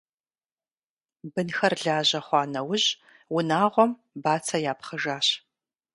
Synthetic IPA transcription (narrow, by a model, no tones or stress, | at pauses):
bɨnxɐrɮaːʑɐχʷɑːnɐwʊʑ | wʊnaːʁʷɔm | baːt͡sʰɐjaːpχɐʒaːɕ